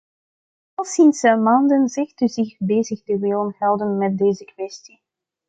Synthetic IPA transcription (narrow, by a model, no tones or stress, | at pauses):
ɑlˠsinsəmaːndənzɪxtəzɪxbeːzəxtəʋɪːlənhɛlˠdənmɛt̚deːzəkwɛsti